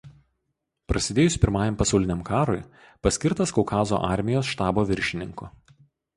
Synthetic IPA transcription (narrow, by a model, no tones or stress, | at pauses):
pɾʔɐsʲɪd̪ʲeːjʊsʲpʲɪɾmɑːjɛmpɐsɐʊlʲɪnʲɛmkɑːɾoj | pɐsʲkʲɪɾt̪ɐskɔkɑːzo̰ʔɑˑɾʲmʲɪjoːsʃt̪ɑːboːʋʲɪɾʲʃʲɪnʲɪ̰ŋkʊː